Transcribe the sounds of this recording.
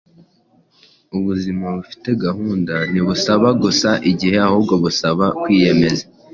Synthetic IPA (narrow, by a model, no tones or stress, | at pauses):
uβuzimaβufi̥te̞ɡahuːndaniβusaβaɡusaʔiɟihe̞ahuːbɡo̞βusaβakwiːje̞me̞za